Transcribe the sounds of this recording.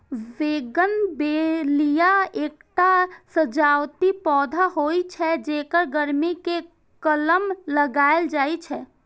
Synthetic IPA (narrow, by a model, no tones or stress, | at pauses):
ʋeɡənbelijaek̚ʈasəd͡ʒawt̪ipɔːd̪ʱaɦojt͡ʃʰɛd͡ʒekəɾɡəɾmike | kələmləɡaeld͡ʒajt͡ʃʰɛ